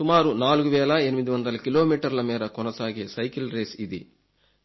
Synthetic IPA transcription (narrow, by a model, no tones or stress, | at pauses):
sumaːɾunaːluɡuʋɛːlɐenimid̪iʋɐnd̪ɐlɐkiloːmiːʈɐɾlɐmɛːɾɐkɔnɐsaːɡesɐjkilɾeːsid̪ḭ